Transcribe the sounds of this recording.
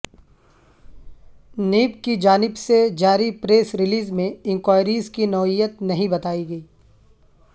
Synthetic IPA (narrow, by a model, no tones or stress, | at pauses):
niːpkid͡ʒaːnɪbsed͡ʒaːɾipɾeːsɾɪliːzmẽɪ̃ŋkwaːɪɾiːzkinɔːijət̪nɐɦĩbɐt̪aːiɡɐiː